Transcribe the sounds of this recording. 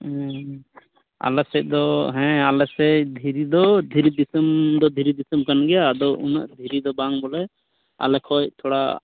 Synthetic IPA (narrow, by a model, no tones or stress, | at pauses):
a̰lɛsɛc̚ˀd̪ɔɦɛ̃alɛsɛc̚d̪ʱiɾid̪ɔd̪ʱiɾid̪isəmd̪ɔd̪ʱiɾid̪isəmkanɡɛad̪ɔuna̰ʔd̪ʱiɾid̪ɔbaŋbɔlɛ | a̰lɛkʰɔjt̪ʰɔɽa